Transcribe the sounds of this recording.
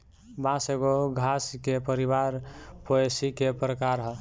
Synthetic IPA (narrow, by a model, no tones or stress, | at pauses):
bãseɡoɡʱaskepəɾibaɾpoesikepɾəkaɾɦə